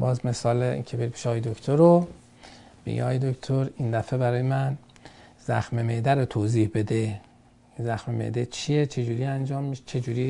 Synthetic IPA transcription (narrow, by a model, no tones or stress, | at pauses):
bɒ̰ːzme̞sɒːleḭkʲʰebeɾibeʃeɒːjed̪okʰt̪ʰoɾo | b̥ḛɡḛɒ̰ːjed̪okt̪ʰoɾind̪æfebæɾɒːjemæn | zæxmemed̪æɾot̪ʰoːziːhbe̞d̪e | zæxmemḛd̪et͡ʃʰijet͡ʃʰe̞d͡ʒuːɾiːænd͡ʒɒːmːiʃt͡ʃʰe̞d͡ʒuːɾiː